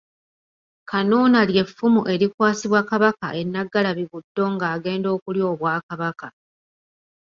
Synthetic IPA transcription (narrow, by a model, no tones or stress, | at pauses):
kʰanuːnalje̞fːumuʔe̞ɾikwaːsiβwakaβaka̰ʔe̞nːaɡːalaβiβudːo̞ŋɡaːɡe̞ːndo̞ːkuljo̞ːβwaːkaβaka